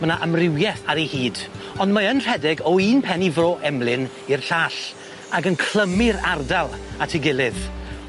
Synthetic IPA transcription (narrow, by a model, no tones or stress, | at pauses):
mənaʔamrɪwjɛθaɾehiːd | ɔndmaənr̥ɛdɪɡɔiːnpʰɛnivroːʔɛmlˠɪn | irɬaːɬ | aɡənkʰl̥ˠəmɪɾa̰rdalˠatʰiɡɪlˠɪð